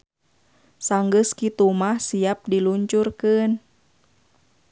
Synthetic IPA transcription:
saŋɡəskit̪umahsiap̚diluɲt͡ʃurkɨn

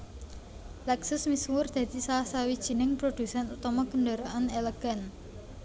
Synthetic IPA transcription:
lɛksɪsmiswʊrd̪̥ä̤d̪̥i̤saasawid̥ʒ̥i̤nɪŋpɾod̥usɛnut̪ɔmɔɡəndaɾaʔaneleɡ̥a̤n

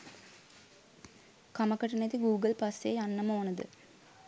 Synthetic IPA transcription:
kɐmɐkːɐʈːɐnɐt̪ːiɡuːɡɐlpɐseɐnːɐmoːnɐðɨ̰

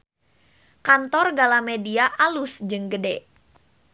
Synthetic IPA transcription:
kant̪ɔrɡalamediaʔalʊsd͡ʒɨŋɡədɛ

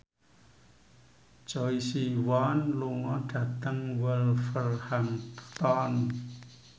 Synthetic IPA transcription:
d͡ʒ̥ɔisiwanluŋɔɖ̥a̤t̪əŋwəlfərhampə̥t̪ɔn

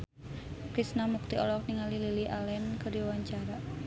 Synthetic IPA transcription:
kɾisnamuk̚t̪iʔɔlɔk̚niŋalililiʔalɛnkədiwaɲt͡ʃaɾa

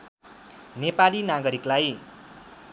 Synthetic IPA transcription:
nepalinaɡʌɾiklaj

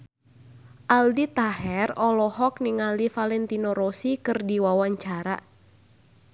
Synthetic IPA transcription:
ʔaldit̪aɦɛrɔlɔhɔk̚niŋalifalɛnt̪inɔɾɔsikɨrdiwawaɲt͡ʃaɾa̰

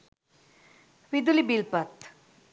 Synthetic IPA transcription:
ʋid̪ulibilpət̪

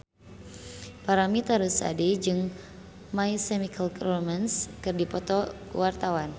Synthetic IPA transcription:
paɾamit̪aɾusa̰ded͡ʒɨŋ | maisɛmikʰalkrɔmɛnskɨrdipɔt̪ɔ | ṵwart̪awan

